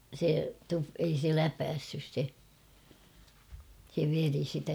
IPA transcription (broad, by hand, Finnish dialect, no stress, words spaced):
se tu ei se læpæsːys se se ʋeri sitæ